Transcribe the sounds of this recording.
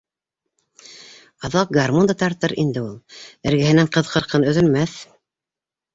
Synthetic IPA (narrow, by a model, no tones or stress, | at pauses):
ɑðɑq̚ɡarmund̪ɑt̪ɑɾt̪ɤɾʔind̪ɘulˠɘ̆ɾɡɘ̆hɘ̆næɴqɤ̆ðqʰɤ̆ɾqɤnɵ̆ðɵ̆lmæθ